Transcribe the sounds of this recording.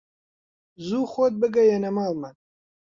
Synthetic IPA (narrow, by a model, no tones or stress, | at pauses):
zuːxoːt̪̚bɨɡɐjɐnɐmaːmɐn